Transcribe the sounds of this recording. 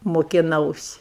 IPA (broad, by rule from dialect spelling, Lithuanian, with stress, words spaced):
moːkʲɪˈnɐʊsʲɪ